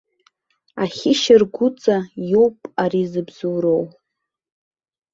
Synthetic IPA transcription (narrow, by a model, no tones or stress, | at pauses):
aχʲɪʃɪrɡʷʊt͡sʼajowpʼaɾizɨbzuːɾow